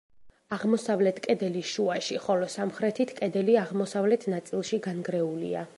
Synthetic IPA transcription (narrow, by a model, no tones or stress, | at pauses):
aʁmɔsavlɛt̪ʰkʼɛd̪ɛliʃuaʃiχɔlɔsamχɾɛt̪ʰit̪ʰkʼɛd̪ɛliaʁmɔsavlɛt̪ʰnat̪sʼilˠʃiɡanɡɾɛulḭa̰